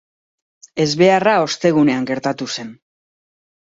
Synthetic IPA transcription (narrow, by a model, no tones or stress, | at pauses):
e̞zβe̞arao̞st̪e̞ɣ̞une̞aŋɡe̞ɾt̪at̪use̞n